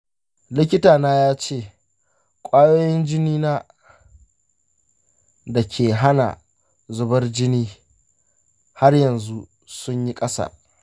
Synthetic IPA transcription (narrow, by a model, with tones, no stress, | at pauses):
lɪ˦k̬ʲɪ˦taː˨naː˦jaː˦t͡ʃeː˦˨ | kʷʼaː˦joː˦jɪ˦nd͡ʒɪ˦niː˦naː˦ | da˨kʲʰeː˨ɦa˦na̰˨ | zʊ˦bɐ˦rd͡ʒɪ˦niː˦ | ha˦rjɐ˨nzu˦ | sʊ˦ɲji˦kʼɐ˦sɐ̰˨